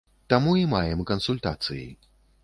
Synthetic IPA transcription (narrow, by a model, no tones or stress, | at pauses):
t̪amuimajɛmkɐnsulʲt̪a̰t̪sɨjḭ